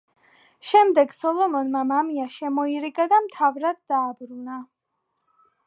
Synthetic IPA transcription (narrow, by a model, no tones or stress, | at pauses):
ʃɛmd̪ɛɡsɔlɔmɔnmamamiaʃɛmɔiɾiɡad̪amt̪ʰavɾad̪̚ːaːbɾuna